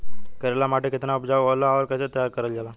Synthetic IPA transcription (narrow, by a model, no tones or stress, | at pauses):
kəɾelamaʈeket̪naupd͡ʑaʋʋələaʋəɾkəset̪əjaɾkəɾəld͡ʑala